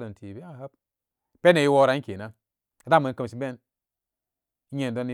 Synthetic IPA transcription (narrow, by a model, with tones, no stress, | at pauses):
do˨n˨ti˨be˦a˦˨ha˦p̚ | pe˦ne˨ji˦wo˧ɾa˨˦ke˨na˦ | a˨da˦˨mə˨n˦kə˧m˨ʃi˨˦be˦n | i˦ɲe˧˨n˨do˦n˦